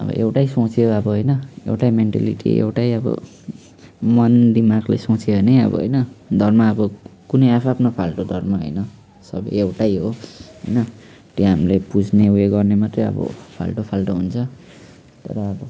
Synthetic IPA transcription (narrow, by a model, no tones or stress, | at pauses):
ʌ̰bʌ̰ʔewʈajsõt͡sʰioʌbʌɦojnʌḛwʈajmeɳʈa̰lḭʈḭḛwʈajʌbʌ̰ | mʌnd̪imaɡlḛsõt͡sʰiɦonʌjʌ̰bʌ̰ɦo̰jnʌd̪ʱʌrmaːbʌkunʌjapʰapnʌpʰalʈod̪ʱʌrmaɦo̰jnʌ | sʌ̰bʌjewʈajɦoɦʌ̰jnʌ | t̪jɦamlebud͡zʱneweɡʌrnemat̪rʌjʌ̰bʌ̰pʰa̰lʈopʰalʈoɦunt͡sʰʌ | t̪ʌ̰ɾʌʌbʌ